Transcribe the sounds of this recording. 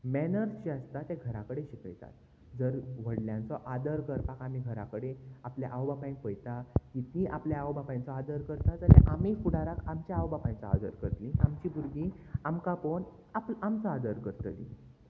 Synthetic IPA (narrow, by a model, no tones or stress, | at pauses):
mɛnəɾt͡ɕiəst̪at̪eɡʱəɾakəɽeɕikə̰jt̪a̰t̪ | d͡zəɾʋ̤əɽljãnt͡sɔʔad̪əɾkəɾpakamiɡʱəɾa̰kəɽeapljaʔawbapaj̃kojt̪akit̪nĩʔapljaawbapãj̃t͡sɔad̪əɾkəɾt̪ad͡zalḛʔamifuɽaɾakʰamt͡ɕaawbapãjt͡sɔa̰d̪ə̰ɾkəɾt̪lĩamt͡ɕiːbʱuɾɡiːamkapon | aplamt͡sɔad̪əɾkəɾt̪lḭ̃